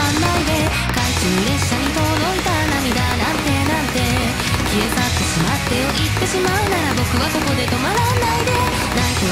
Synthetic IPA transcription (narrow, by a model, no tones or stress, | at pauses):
anːaid̪e̞ | kaisɨːɾe̞ɕːaɲ̟it̪o̞d̪o̞it̪anamʲid̪anãnt̪e̞nãnt̪e̞ | kʲiet̪at̪ːeɕimat̪ːe̞o̞ʔit̪ːe̞ɕimaɯ̟naɾabo̞kɯ̟βaso̞ko̞d̪e̞t̪o̞maɾanaid̪e̞ | naiko